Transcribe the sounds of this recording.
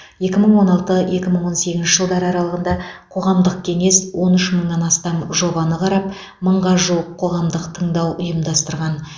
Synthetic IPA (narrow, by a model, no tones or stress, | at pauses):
je̞kʲɪməɴwo̞nɑlˠt̪əje̞kʲɪməɴwo̞nse̞ɡʲɪnʃɪ̥ʒəlˠd̪ɑɾɑɾɑlˠəʁənd̪ɑqʰo̞ʁɑmd̪əqkʲʰe̞ŋe̞swo̞nʏʃməɴnɑnɑst̪ɑmʒo̞bɑnəqʰɑɾɑp̚ | məɴʁɑʒuwəqʰːo̞ʁɑmd̪əqt̪ʰəɴd̪ɑwʔʊjəmd̪ɑst̪əɾʁɑn